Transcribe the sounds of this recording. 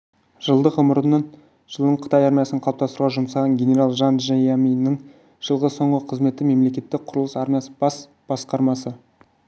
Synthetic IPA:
ʒ̥əlˠd̪əqʊməɾənəɴ | ʒ̥əlˠd̪əɴqʰə̥t̪ɑjɑɾmʲijasnəɴqʰɑlˠɑpt̪ɑst̪ɾuʁɑʒʊmsɑʁɑnɡʲe̞nʲe̞ɾalˠʒɑnʒejamijnɪŋ | ʒ̥əlˠʁəso̞ɴʁəqʰəzme̞t̪ːɪme̞mle̞kʲe̞t̪ːɪk̚qʰʊɾəlˠəsɑɾmʲijasəbɑs | b̥ɑsqɑɾmɑsə

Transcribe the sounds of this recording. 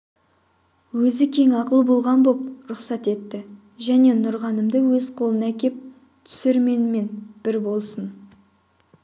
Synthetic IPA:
wɵzɪkʲʰe̞ŋɑqəlˠəbolˠʁɑnbo̞p̚ɾʊqsɑt̪e̞t̪ːɪ | ʒæne̞nʊɾʁɑnəmd̪əwɵzqʰo̞lˠənækʲe̞p̚ | t̪ʰʏ̥sɪɾme̞nme̞nb̥ɪɾbo̞lˠsən

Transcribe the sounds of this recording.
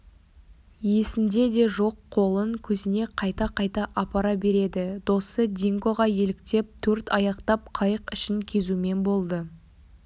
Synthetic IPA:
je̞sɪmd̪e̞d̪e̞ʒo̞qʰːo̞lˠəŋkʲʰɵzɪne̞qʰɑjt̪ɑqʰɑjt̪ɑʔɑpɑɾɑbe̞ɾe̞d̪ɪd̪̥o̞səd̪ʲiŋɡo̞ʁɑje̞lɪk̚t̪e̞p̚t̪ʰɵɾt̪ɑjɑqt̪ɑp̚qʰɑjəqɪʃɪŋkʲʰe̞zume̞nbo̞lˠd̪ə

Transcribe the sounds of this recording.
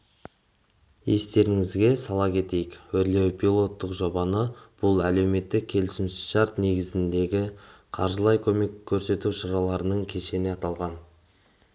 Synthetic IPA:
je̞st̪e̞ɾɪŋɪzɡʲe̞sɑlˠɑkʲʰe̞t̪e̞jɪkwɵɾle̞wpʲʰilˠo̞t̪ːəqʒo̞bɑnəb̥ʊlˠæle̞wme̞t̪ːɪk̚ʲʰːe̞lɪsɪmʃʃɑɾt̪ne̞ɡʲɪzɪnd̪e̞ɡʲɪqʰɑɾʒəlˠɑjkʲʰɵme̞kʲʰːɵɾse̞t̪uʃɑɾɑlˠɑɾənəɴkʲʰe̞ʃe̞neɑt̪ɑlˠʁɑn

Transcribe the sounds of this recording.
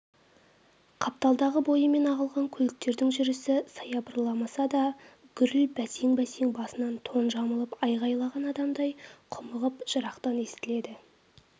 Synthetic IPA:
qʰɑp̚t̪ɑlˠd̪ɑʁəbo̞jəme̞nɑʁəlˠʁɑŋkʲʰɵlɪk̚t̪e̞ɾd̪ɪŋʒʏɾɪsɪsɑjɑbəɾlˠɑmɑsɑd̪ɑ | ɡ̥ʲʏɾɪlbæseŋbæseŋbɑsənɑnt̪ʰo̞nʒɑməlˠəpɑjʁɑjlˠɑʁɑnɑd̪ɑmd̪ɑjqʰʊməʁəpʒ̥əɾɑqt̪ɑne̞st̪ɪle̞d̪ɪ

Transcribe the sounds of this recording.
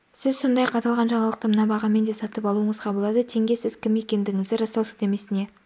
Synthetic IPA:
sɪzso̞nd̪ɑjɑqʰɑt̪ɑlˠʁɑnʒɑɴɑlˠəq̚t̪əmənɑbɑʁɑme̞nd̪e̞sɑt̪əpɑlˠuəɴəzqʰɑbəlˠɑd̪ət̪ʰe̞ŋɡʲe̞sɪz̥kʲʰɪmje̞kʲe̞nd̪ɪŋɪzd̪ɪɾɑst̪ɑwsə̥d̪e̞me̞sɪne̞

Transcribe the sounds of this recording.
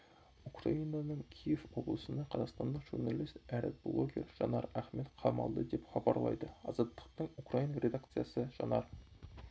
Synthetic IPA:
ukrɑinɑnəɴkʲʰijevwo̞blˠəsənɑqʰɑzɑqst̪ɑnd̪əqʒ̥urnɑlˠist̪æɾḛt̪̚blˠoɡʲe̞̰ɾʒ̥ɑ̰nɑɾæχmet̪qʰɑmɑ̰lˠd̪əd̪epχɑbɑɾlˠɑ̰jd̪əɑzɑt̪ːə̥q̚t̪əɴukrɑinɑɾʲe̞d̪ɑk̚t̪sɨjɑsəʒ̥ɑnɑɾ

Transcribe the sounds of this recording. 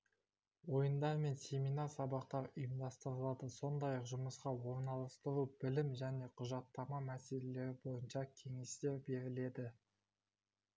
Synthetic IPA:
wo̞jənd̪ɑɾme̞nsʲe̞mijnɑsɑbɑq̚t̪ɑɾʊjəmd̪ɑst̪əɾəlˠɑd̪əso̞nd̪ɑjɑqʒʊməsqɑwo̞ɾnɑlˠəst̪əɾubɪlɪmʒæne̞qʰʊʒɑt̪ːɑmɑmæse̞le̞le̞ɾɪbo̞jənʃɑkʲʰe̞ŋe̞st̪e̞ɾbe̞ɾɪle̞d̪ɪ

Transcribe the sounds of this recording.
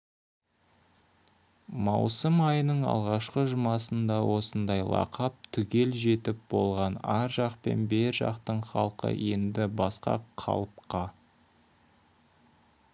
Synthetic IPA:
mɑwsəmɑjənəɴɑ̰lˠʁɑʃqəʒʊmɑsənd̪ɑwo̞sənd̪ɑjlˠɑ̰qʰɑp̚t̪ʰʏɡʲe̞lʒe̞t̪ɪp̚bo̞lˠʁɑnæɾʒɑqpe̞̰nbeɾʒɑ̰qt̪əɴχɑlˠqə̰je̞nd̪ɪbɑsqɑ̰qʰɑ̰lˠəp̚qʰɑ

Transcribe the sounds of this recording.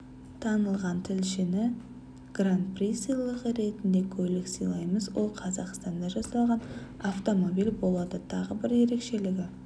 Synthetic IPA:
t̪ʰɑnəlˠʁɑnt̪ʰɪlʃɪnɪ | ɡ̥rant̪̚prisilˠəʁəɾe̞t̪ɪnd̪e̞kʲʰɵlɪksijlˠɑjməzwo̞lˠqʰɑzɑqst̪ɑnd̪ɑʒɑsɑlˠʁɑn | aft̪o̞mo̞bijlbo̞lˠɑd̪ət̪ʰɑʁəbɪɾje̞ɾe̞kʃe̞lɪɡʲɪ

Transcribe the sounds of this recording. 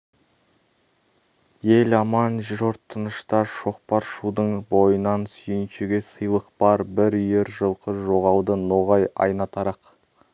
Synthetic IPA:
jelɑmɑnʒɾoɾt̪ʰːənəʃt̪ɑʃo̞q̚pɑɾʃud̪əɴbo̞jənɑnsʏjɪnʃeɡʲesəjlˠəq̚bɑɾbɪɾʏjeɾʒəlˠqəʒo̞ʁɑwd̪ənoʁɑjɑ̰jnɑt̪ʰɑɾɑq

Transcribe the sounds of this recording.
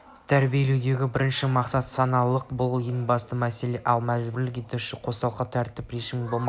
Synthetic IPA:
t̪ʰæɾbije̞lewd̪e̞ɡʲɪbɪɾɪnʃɪmɑqsɑt̪sɑnɑlˠəq̚bʊlˠjeŋbɑst̪əmæse̞le̞ʔɑlˠmæʒbɪɾlɪk̬ʲe̞t̪uʃɪqʰo̞st̪ɑlˠqɑt̪ʰæɾt̪ɪpɾeʒɪmbolˠmɑ

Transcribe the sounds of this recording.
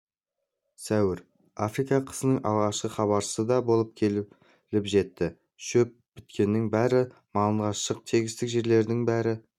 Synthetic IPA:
sæwɪɾ | afrijkɑqʰə̥zənəɴʔɑ̰ʁɑʃqəχɑβɑɾʃsəd̪ɑbo̞lˠəp̚kʲʰe | lɪpʒe̞t̪ːɪ | ʃɵp̚bɪt̪kʲʰe̞nːɪŋbæɾɪ | mɑlˠəɴʁɑʃəq̚t̪ʰe̞ɡʲɪst̪ɪkʒe̞ɾle̞ɾd̪ɪŋbæɾɪ

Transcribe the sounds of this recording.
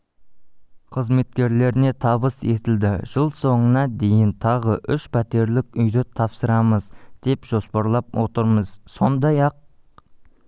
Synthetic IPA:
qʰəzme̞t̪̚kʲe̞ɾle̞ɾɪne̞t̪ʰɑβəse̞t̪ɪld̪ɪʒ̥əlˠso̞ɴənɑd̪e̞jɪnt̪ʰɑʁəʔʏʃpʰæt̪e̞ɾlɪkʲʏjd̪ɪt̪ʰɑpsəɾɑməzd̪̥e̞pʒ̥o̞spɑɾlˠɑp̚wo̞̰t̪əɾməz̥so̞nd̪ɑjɑq̚

